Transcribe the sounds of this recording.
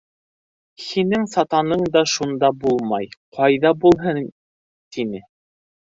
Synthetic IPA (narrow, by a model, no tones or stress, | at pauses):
hinɘŋsɑt̪ɑnɤɴd̪ɑʃund̪ɑbulˠmɑjqʰɑjðɑbulˠɦɤn | t̪inɘ